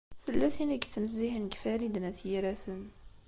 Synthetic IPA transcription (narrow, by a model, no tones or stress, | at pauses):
θəlːæθiniɡt͡sːnəzːihənɡfæɾid̪næθjiɾæθən